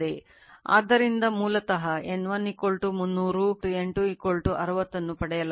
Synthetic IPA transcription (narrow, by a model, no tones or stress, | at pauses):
e | a̰ːd̪ːɐɾind̪ɐmuːlɐt̪ɐɦɐenːʋɐnːikolʈumunːuːɾuʈueɳʈuikoɭʈuʔɐɾɐʋɐt̪ːɐnːupɐɽɛjɐl